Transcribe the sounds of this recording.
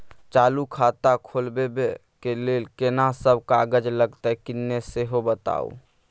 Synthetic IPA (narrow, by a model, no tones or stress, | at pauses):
t͡ʃaːlukʰat̪akʰoːlbebe | kelelkenasəbʱkaɡəd͡ʒləɡt̪akɪnːeseɦobət̪a̰o̰